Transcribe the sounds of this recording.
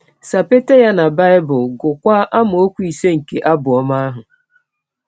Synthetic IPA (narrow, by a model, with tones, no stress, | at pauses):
sa˨pe˦te˦ja˦na˨ba˦ɪ˦bʊ˨ɡʊ˨kʷa˦ʔa˦mʊ˨o˦kʷu˦i˨se˦ŋ̩˨ke˨ʔa˦bʊ˨ɔ˦ma˦a˦ɦʊ˨